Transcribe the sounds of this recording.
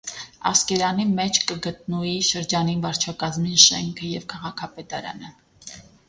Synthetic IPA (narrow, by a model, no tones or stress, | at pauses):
ɑ̰skɛɾɑnimɛt͡ʃʰkəɡət̪nuiʃəɾd͡ʒɑninvɑɾt͡ʃʰɑkɑzminʃɛŋkʰəjɛvkʰɑʁɑkʰɑpɛt̪ɑɾɑ̰nə